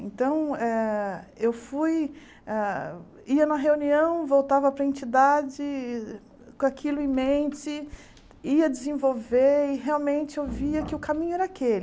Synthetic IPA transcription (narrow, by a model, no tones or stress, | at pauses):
ẽnt̪ɐ̃w̃ɛewfuj | ɛ | iɐnɐɦeuniɐ̃w̃vowt̪avɐpɾɐẽnt͡ʃid̪ad͡ʒɪ | kakʰilʊeĩmẽnt͡ʃɪ | iɐd͡ʒɪzẽvowveɪɦeawmẽnt͡ʃɪewviɐkɪʊkamĩɲʊɛɾɐakelɪ